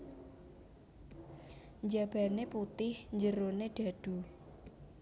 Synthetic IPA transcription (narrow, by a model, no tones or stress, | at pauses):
ɲd͡ʒab̥a̤neput̪ɪhɲd͡ʒəɾoneɖ̥a̤d̥ṳ